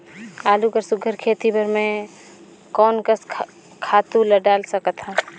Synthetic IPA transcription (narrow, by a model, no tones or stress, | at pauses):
aːlukəɾsʊɡʱəɾkʰeːt̪ibəɾmẽ | kɔːnkəsʰ | kʰaːt̪ũləɖaːlsəkət̪ɦãː